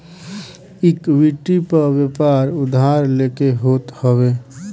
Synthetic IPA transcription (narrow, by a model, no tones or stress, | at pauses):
ɪkʋiʈːipəʋepaɾʊd̪ʱaɾleːkeɦoːt̪həweː